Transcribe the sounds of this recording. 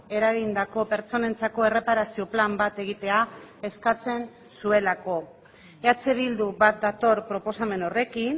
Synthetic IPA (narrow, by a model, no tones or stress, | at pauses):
e̞ɾaɣind̪ako̞pe̞ɾt͡so̞ne̞nt͡sako̞e̞re̞paɾasio̞plambat̪e̞ɣ̞it̪e̞ae̞skat͡se̞n | sue̞lako̞ | eat͡se̞βild̪uβat̪̚d̪at̪o̞ɾpɾo̞po̞same̞no̞re̞kin